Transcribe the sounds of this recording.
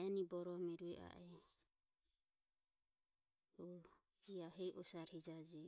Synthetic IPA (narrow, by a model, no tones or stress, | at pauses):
ɛnibɔɾɔmɛɾuɛʔa̰ʔɛ | ɔ | iaɦɛjʔɔsaɾhid͡ʒad͡ʒɛ